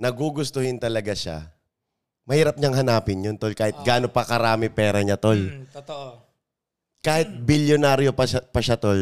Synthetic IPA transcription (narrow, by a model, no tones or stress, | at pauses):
nɐɡuɡʊst̪ʊhɪnt̪ɐlɐɡaʃa̰ | mɐhiːɾɐp̚ɲɐŋhɐnaːpɪnjont̪olkaːhɪt̪̚ɡaːnopɐkɐɾaːmɪpɛːɾɐɲat̪ol | kaːhɪt̪̚bɪljonaːɾjopɐapɐʃat̪ol